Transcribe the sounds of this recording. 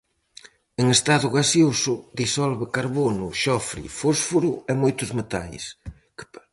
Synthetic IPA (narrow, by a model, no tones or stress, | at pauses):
eŋest̪aðʊɣasiosʊd̪isɔlβekaɾβonʊʃɔfɾḭfosfuɾʊemojt̪ʊzmet̪a̰js | k